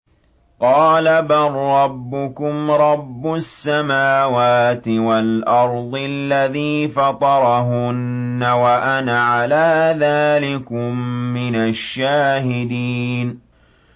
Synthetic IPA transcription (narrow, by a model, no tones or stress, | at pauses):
qɑːlabarˤːɑbːʊkʊmɾˤɑbːʊsːamaːwaːt̪ɪwalʔɑɾˤd̪ˤlːaðiːfɑt̪ˤɑɾˤɑɦʊnːawaʔanaʕalaːðaːlɪkʊmːɪnaʃːaːhɪd̪iːn